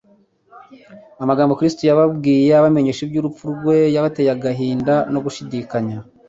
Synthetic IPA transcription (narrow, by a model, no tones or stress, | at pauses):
amaɡaːmbo̞kɾistujaβabɡiːje̞aβame̞ɲe̞ʃibɟuːɾup͡fuɾɡwe̞jaβate̞ːjaɡaɦiːndano̞ɡuʃidikaɲa